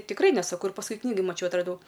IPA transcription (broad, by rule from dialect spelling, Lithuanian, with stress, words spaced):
tʲɪkˈrɐɪ nʲɛˈsɑːkoː ɪr pɐsˈkʊɪ ˈknʲiːɡoːj mɐˈt͡ʃʲɛʊ ɐtrɐˈdɐʊ